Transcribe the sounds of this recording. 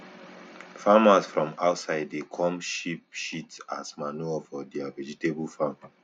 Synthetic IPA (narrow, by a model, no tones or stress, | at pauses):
famasfɹɔ̃maʊtsaɪdekʰɔ̃mʃip̚ʃitsa̰smanufɔdiavɛd͡ʒitebulfam